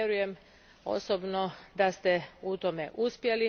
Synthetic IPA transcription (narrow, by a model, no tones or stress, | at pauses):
jeɾuje̞m | o̞̰sobnod̪ast̪eut̪ome̞ʔuspje̞li